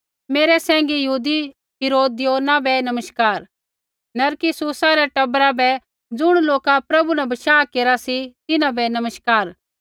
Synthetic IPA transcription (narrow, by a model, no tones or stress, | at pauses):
meːɾɛsɛ̃ːŋ̆ɡijɐɦuːd̪i | ɦɪɾoːd̪ɪjoːnabɛnɐməʃkaːɾ | nɐɾkɪsuːsaɾɛʈɐbɾabɛ | d͡zʊɽ̃loːkapɾɐbunɛbɐʃaːkeːɾasit̪ɪnãbɛnɐməʃkaːɾ